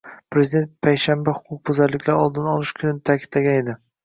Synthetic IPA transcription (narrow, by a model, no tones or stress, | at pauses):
pɾe̞zid̪e̞nt̪̚pʰajʃambahʊ̥qʰʊq̚bʊzaɾlɪkʲʰlaɾɒlˠd̪ɪnɒlˠɪʃkʲʰʊnɪnt̪ʰakʲʰɪd̪laɡʲane̞d̪ɪ